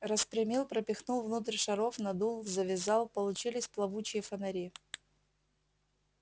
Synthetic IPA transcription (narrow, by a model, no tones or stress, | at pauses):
rəspɾʲɪmʲilˠpɾəpʲɪxnulˠvnut̪rʲʂɐɾofnɐd̪ulˠzəvʲɪzɑlˠpəlˠʊt͡ɕilʲɪsʲplˠɐvut͡ɕɪjəfənɐɾʲi